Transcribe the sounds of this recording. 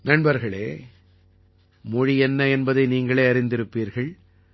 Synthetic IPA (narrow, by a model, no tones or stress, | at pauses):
nɐɳbɐɾɣɐɭeː | mɔɻiɛnːɐɛnbɐðɐɪniːŋɡɐɭeːɐɾɪnd̪ɪɾɯpːiːɾɣɐɭ